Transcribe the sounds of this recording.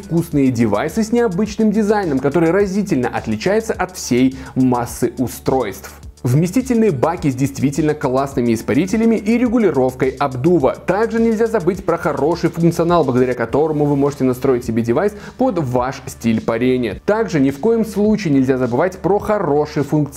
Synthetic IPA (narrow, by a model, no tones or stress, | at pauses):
fkusnɨjədʲɪva̰jsɨsʲnʲɪɐbɨt͡ɕnɨmdʲɪzajnəmkɐt̪o̞ɾɨjɾɐzʲitʲɪlʲnəʔɐt̪lʲɪt͡ɕæjɪt̪səʔɐt̪fsʲejmasːɨʔʊst̪ɾo̞jst̪f | vmʲɪsʲtʲitʲɪlʲnɨjəbakʲɪzʲdʲɪjst̪vʲitʲɪlʲnəklˠasnɨmʲɪɪspɐɾʲitʲɪlʲɪmʲɪʔiɾʲɪɡʊlʲɪɾo̞fkəjɐbd̪uvə̰t̪aɡʐɨnʲɪlʲzʲazɐbɨtʲpɾəxɐɾo̞ʂɨjfʊnŋkt̪sɨɐnalˠbləɡəd̪ɐɾʲakɐt̪o̞ɾəmʊvɨmo̞ʐɨtʲɪnɐst̪ɾo̞ɪtʲsʲɪbʲedʲɪvajspod̪vaʂsʲtʲilʲpɐɾʲenʲɪjət̪aɡʐɨnʲɪfko̞jɪmslˠut͡ɕɪɪnʲɪlʲzʲazəbɨvatʲpɾoxɐro̞ʂɨjfʊnkt̪